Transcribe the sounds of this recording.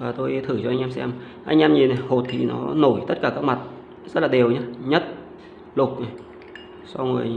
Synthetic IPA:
vaː˨˩t̪o˧jt̪ʰɨ˧˩t͡ɕɔ˧ʔa˧jŋ̟ʔɛ˧msɛ̰˧m | ʔa̰˧jŋ̟ʔɛ˧mɲi˨˩n˨˩ho˨˩t̚t̪ʰi˨˩nɔ̰˨˦no˧˩jt̪ə˦˥t̚kaː˧˩kaː˦˥k̚ma˨˩t̚ | zə˦˥t̚laː˨˩ɗe˨˩əwɲaː˨˦ɲə˦˥t̚ | lʊ˨˩k̚j | sa˧wŋo˨˩əj

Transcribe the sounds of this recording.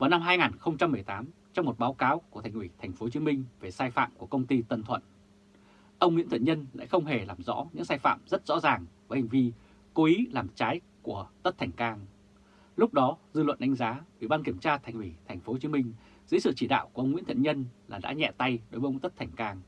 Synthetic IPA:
vaː˨˩wna˧mɦaː˧jŋaː˨˩nxə˧wŋ͡mt͡ɕa˧mːɨ˨˩əjt̪aː˨˦m | t͡ɕɔ˧wŋ͡mmo˨˩t̚ɓaː˨˦wkaː˨˦wku˧˩ət̪ʰŋ̟ʔwi˧˩t̪ʰa˨˩ŋ̟fo˨˦t͡ɕi˨˦mï˧ŋ̟ve˨˩saː˧jfa̰ː˧˨mku˧˩əkə˧wŋ͡mt̪i˧t̪ə˧˩nt̪ʰwə̰˧˨n | ʔə˧wŋ͡mŋḭ˧˥t̪ʰɨ̰˧˨nɲə˧nla̰˧˥jxə˧wŋ͡mɦe˨˩laː˨˩mzɔ̰˧˥ɲɨ̰˧˥ŋsaː˧jfa̰ː˧˨mzə˦˥t̚z̥ɔ̰˧˥zaː˨˩ŋvaː˨˦ha˨˩ŋ̟vi˧ | ko˨˦ʔi˨˦laː˨˩mt͡ɕaː˨˦j | ku˧˩ət̪ə˦˥t̪̚ʰŋ̟kaː˧ŋ | lʊ˦˥k͡p̚ɗɔ˨˦zɨ˧lwə̰˧˨nɗa˨˦ŋ̟zaː˨˦ʔwḭ˧˩ɓaː˧nki˧˩əmt͡ɕaː˧t̪ʰɛ˨˩ŋ̟wi˧˩t̪ʰɛ˨˩jŋ̟fo˨˦t͡ɕi˨˦mï˧ŋ̟ | z̥ɨ̰˧˥sɨ̰˧˨t͡ɕi˧˩ɗa̰ː˧˨wku˧˩əə˧wŋ͡mŋḭ˧˥nt̪ʰə̰˧˨nɲə˧nlaː˨˩ɗa̰ː˧˥ɲɛ̰˧˨t̪a˧jɗo˨˦və˨˦ʔə˧ŋ͡mt̪ə˦˥t̚t̪ʰɛ˨˩jŋ̟kaː˧ŋ

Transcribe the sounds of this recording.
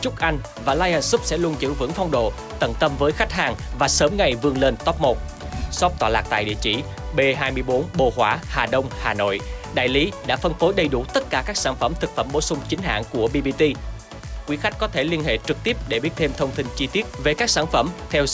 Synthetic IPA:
t͡ɕʊ˦˥k̚ʔa˧jŋ̟ | vaː˨˩laː˧jʔaː˧˩nsu˦˥p̚sɛ̰˧˥lu˧ənzɨ̰˧˥vɨ̰˧˥ŋfɔ˧wŋ͡mɗo̰˧˨ | t̪ə˧˩nt̪ə˧mvəː˨˦jxa˦˥k̟̚ɦaː˨˩ŋvaː˨˩səː˨˦mŋa˨˩jvɨ˧˩əŋle˧nt̪ɔ˦˥p̚mo˨˩t̚ | sɔ˦˥p̚t̪waː˧˩la̰ː˨˩k̚t̪a̰ː˧˨ɗḭ˧˨ət͡ɕi˧˩ | ɓe˧ɦaː˧jmɨ˧əjɓo˨˦nɓo̰˧˨˩hwaː˧˩haː˨˩ɗə˧wŋ͡mhaː˨˩no̰˧˨jʔɗa̰ː˧˨jli˨˦ɗa̰ː˧˥fə˧nfo˨˦jɗə˨˩jɗu˧˩t̪ə˦˥t̚kaː˧˩kaː˦˥k̚saː˧˩nfə˧˩mt̪ʰɨ˨˩k̚fə˧˩mɓo̰˧˩sʊ˧ŋ͡mt͡ɕï˨˦ŋ̟ɦa̰ː˧˨nku˧˩əɓi˧ɓi˧t̪i˧ | kwi˨˦xa˦˥k̟kɔ˨˦t̪ʰe˧˩li˧ənhḛ˧˨t͡ɕɨ˨˩k̚t̪i˦˥əp̚ɗe˧˩ɓi˦˥ət̚t̪ʰe˧mt̪ʰə˧wŋ͡mt̪ʰï˧ŋ̟t͡ɕi˧t̪i˦˥ət̚ve˨˩kaː˦˥k̚saː˧˩nfə˧˩mt̪ʰɛ˧w

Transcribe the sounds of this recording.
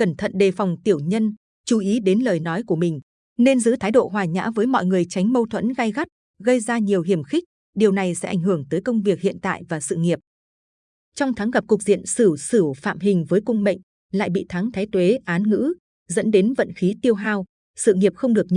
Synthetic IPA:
kə˧˩nt̪ʰə̰˧˨nɗe˨˩fɔ˨˩wŋ͡mt̪i˧˩əwɲə˧n | t͡ɕu˨˩ʔi˨˦ɗe˨˦nləː˨˩jnɔ˨˦jku˧˩əmï˨˩ŋ̟ | ne˧nzɨ̰˧˥t̪ʰaː˨˦jɗo̰˧˨ɦwaː˨˩ɲa̰ː˧˥vəː˨˦jmɔ̰˧˨jŋɨ˨˩əjt͡ɕa˨˦jŋ̟mə˧wt̪ʰwə̰˧˥nɣa˧jɣa˦˥t̚ | ɣə˧jzaː˧ɲi˨˩əwɦi˨˩əmxï˦˥k̚ | ɗi˨˩əwna˨˩jsɛ̰˧˥ʔa˧˩jŋ̟ɦɨ˧˩əŋt̪əː˨˦jkə˧wŋ͡mvi˨˩ək̚hḭ˧˨ənt̪a̰ː˧˨jvaː˨˩sɨ̰˧˨ŋi˨˩əp̚ | t͡ɕɔ˧wŋ͡mt̪ʰaː˨˦ŋɣa˨˩p̚kʊ˨˩k̚z̥ḭ˧˨ənsɨ˧˩sɨ˧˩fa̰ː˧˨mɦï˨˩ŋ̟vəː˨˦jkʊ˧ŋ͡mɓə̰˧˨jŋ̟ | la̰ː˧˨jɓḭ˧˨t̪ʰa˨˦ŋt̪ʰaː˨˦jt̪we˨˦ʔaː˨˦nŋɨ̰˧˥ | zə̰˧˥nɗe˨˦nvə̰˧˨nxi˨˦t̪i˧əwɦaː˧w | sɨ̰˧˨ŋi˨˩əp̚xə˧wŋ͡mɗɨ˨˩ək̚ɲ

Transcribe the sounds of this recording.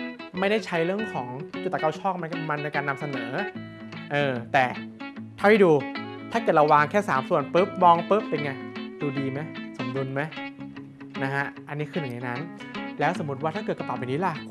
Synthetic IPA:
ma˥˩jda˥˩jt͡ɕʰa˦˥jɾɯ˥˩əŋkʰɔː˩˦ŋt͡ɕuː˨˩a˨ka˧˩wt͡ɕʰɔː˥˩k̚ma˧nkma˧nːa˧jkaː˧nːa˧msa˧nɤː˩˦ | ʔɤː˧t̪ɛː˨˩a˥˩ha˥˩duː˧t̪ʰa˥˩kɤː˨˩t̚la˧waː˧ŋkʰɛː˥˩saː˩˦msu˨˩ənpɤː˦˥p̚mɔː˧ŋpɤː˦˥p̚ːe˧nŋa˧˩jduː˧diː˧ma˦˥jso˩˦mdu˧nma˦˥j | na˦˥kʰa˦˥ʔʔa˧nːiː˦˥kʰɯː˧ja˨˩ŋa˧jna˦˥n | lɛː˦˥wso˨˩˦mːu˦˥t̪̚waː˥˩t̪ʰa˥˩ɤː˨˩t̪ka˧pa˨˩pʔa˨˩niː˦˥la˧˩

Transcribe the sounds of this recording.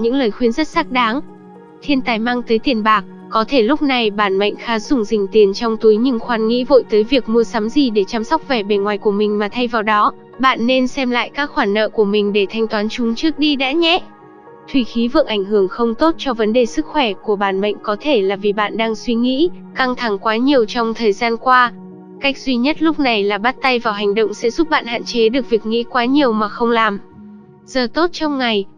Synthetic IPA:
ɲɨ̰˧˥ŋləː˨˩jxwi˧ənzə˦˥t̚saː˦˥k̚ɗaː˨˦ŋ | t̪ʰi˧ənt̪aː˨˩jma˧ŋt̪əː˨˦jt̪i˨˩ənɓaː˨˩k̚ | kɔ˨˦t̪ʰe˧˩lʊ˦˥k͡p̚na˨˩jɓaː˧˩nmə̰˧˨ŋ̟xaː˨˦z̥ʊ˧˩ŋ͡mzï˨˩ŋ̟t̪i˨˩ənt͡ɕɔ˧wŋ͡mt̪u˨˦jɲɨ˧ŋxwaː˨˦nŋḭ˧˥vo̰˧˨jt̪əː˨˦jvi˨˩ək̚mu˧əsa˨˦mzi˨˩ɗe˧˩t͡ɕaː˧msɔ˦˥wk͡p̚vɛ˨˩ɓe˨˩nŋwaː˨˩jku˧˩əmï˨˩ŋ̟maː˨˩t̪ʰa˧jvaː˨˩wɗɔ˨˦ | ɓa̰ː˧˨nːe˧nsɛ˧mla̰ː˧˨jkaː˦˥k̚xwaː˧˩nːə̰ː˧˨ku˧˩əmï˨˩ŋ̟ɗe˧˩t̪ʰa˧jŋ̟t̪waː˨˦nt͡ɕʊ˨˦ŋ͡mt͡ɕɨ˦˥ək̚ɗi˧ɗa̰ː˧˥ɲɛ˦˥ | t̪ʰwi˧˩xi˨˦vɨ̰˧˨əŋ̚ʔa˧˩jŋ̟hɨ˧˩əŋxə˧wŋ͡mt̪o˦˥t̚t͡ɕɔ˧və˨˦nɗe˨˩sɨ˦˥k̚xwɛ˧˩ku˧˩əɓaː˧˩nɓə̰˧˨ŋ̟kɔ˨˦t̪ʰe˧˩laː˨˩vi˨˩ɓa̰ː˧˨nɗaː˧ŋswi˧ŋḭ˧˥ka˧ŋt̪ʰa˧˩ŋkwaː˨˦ɲi˨˩əwt͡ɕɔ˧wŋ͡mt̪ʰəː˨˩jzaː˧nkwaː˧ | ka˦˥jk̚zwi˧ɲə˦˥t̚lʊ˦˥k͡p̚na˨˩jlaː˨˩ɓa˦˥t̚t̪a˧jvaː˨˩wɦa˨˩ŋ̟ɗo̰˧˨wŋ͡msɛ̰˧˥zʊ˦˥p̚ɓa̰ː˧˨nha̰ː˧˨nt͡ɕe˨˦ɗɨ˨˩ək̚vi˨˩ək̚ŋḭ˧˥kwaː˨˦ɲi˨˩əwmaː˨˩xə˧wŋ͡mlaː˨˩m | z̥əː˨˩t̪o˦˥t̚t͡ɕɔ˧wŋ͡mŋa˨˩j

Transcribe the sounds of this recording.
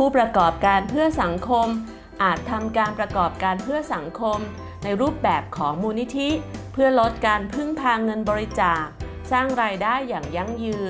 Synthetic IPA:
pʰuː˥˩pɾa˧kɔː˨˩p̚kaː˧npʰɯ˥˩ɐsa˩˦ŋkʰo˧m | ʔaː˨˩t̪ʰːa˧mkaː˧npɾa˧kɔː˨˩p̚kaː˧npʰɯ˥˩ɐsa˩˦ŋkʰo˧m | na˧jɾuː˥˩p̚bɛː˨˩p̚kʰɔː˩˦ŋmuː˧ni˦˥t̪ʰi˦˥pʰɯ˥˩ɐlo˦˥t̪̚kaː˧npʰɯ˥˩ŋpʰaː˧ŋɤ˧nbɔː˧ɾi˧t͡ɕaː˨˩k̚ | saː˥˩ŋɾaː˧jdaː˥˩jːaː˨˩ŋja˧ŋjɯː˧

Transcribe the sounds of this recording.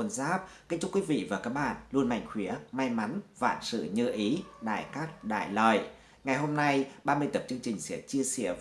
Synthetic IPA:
ə˧nzaː˦˥p̚ka˧ŋ̟t͡ɕʊ˦˥k͡pkwi˨˦vḭ˧˨vaː˨˩kaː˦˥k̚ɓa̰ː˧˨nlu˧ənma̰˧˩jŋ̟xwi˨˦əma˧jma˨˦nva̰ː˧˨nsɨ̰˧˨ɲɨ̰˧ʔi˨˦ɗa̰ː˧˨jkaː˦˥k̚ɗa̰ː˧˨jlə̰ː˧˨j | ŋa˨˩jɦo˧mna˧jɓaː˧mɨ˧əjt̪ə˨˩p̚t͡ɕɨ˧əŋt͡ɕï˨˩ŋ̟sḭ˧˥ət͡ɕi˧əsḭ˧˥ə

